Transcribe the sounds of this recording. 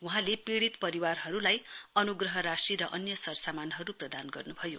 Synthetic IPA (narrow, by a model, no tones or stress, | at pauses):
wuɦãlepiɽit̪pʌɾiwarɦʌɾulajʌnuɡrʌɦʌɾasiɾʌʔʌnjʌsʌrsamanɦʌɾuprʌd̪anɡʌrnubʱʌjo̰